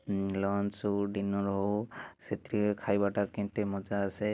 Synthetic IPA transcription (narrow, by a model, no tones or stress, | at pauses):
lɔnsuɖinɔɾɔɦɔset̪ɾiekʰajbaʈakint̪ɛmɔd͡ʒaːse